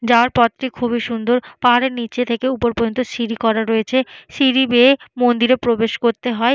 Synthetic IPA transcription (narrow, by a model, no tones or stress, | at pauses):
d͡ʑaoaɾpɔt̪ːɾikʰubiʃund̪oɾpaɦaɾeɾnit͡ɕet̪ʰekeupoɾbod͡ʑont̪oʃiɾikɔɾaɾojet͡ɕʰeʃiɾibeːmond̪iɾepɾobeʃkoɾt̪eɦɔe